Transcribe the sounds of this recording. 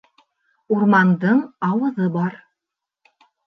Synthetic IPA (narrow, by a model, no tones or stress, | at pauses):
uɾmɑnd̪ɤɴɑwɤ̆ðɤbɑɾ